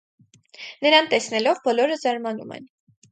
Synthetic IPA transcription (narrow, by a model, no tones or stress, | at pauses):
nəɾɑnt̪ɛsnɛlɔvbɔlɔɾəzɑɾmɑnumɛ̰n